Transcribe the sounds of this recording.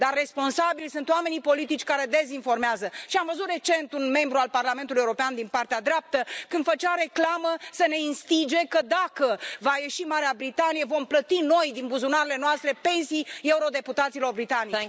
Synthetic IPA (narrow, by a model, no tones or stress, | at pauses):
d̪arːe̞spo̞nsabilsɨnt̪oame̞nipo̞lit̪it͡ʃʲkaɾe̞d̪e̞zinfo̞rmeazəʃiamvəzut̪re̞t͡ʃe̞nt̪unme̞mbɾualparlame̞nt̪ulujeuɾopeand̪inpart̪ead̪ɾeap̚t̪əkɨnd̪̥fət͡ʃaɾe̞klaməsəne̞inst̪id͡ʒe̞kəd̪akəvaje̞ʃimaɾeabɾit̪anijevo̞mplət̪ino̞jd̪inbuzunaɾele̞noast̪ɾe̞pe̞nsije̞uɾo̞d̪e̞put̪at̪silo̞rbɾit̪anit͡ʃ